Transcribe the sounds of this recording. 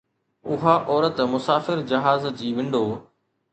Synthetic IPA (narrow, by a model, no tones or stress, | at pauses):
ʊɦaʔɔːɾət̪mʊsaːfɪɾd͡ʑɐɦaːzd͡ʑiːʋɪ̃ɳɖoː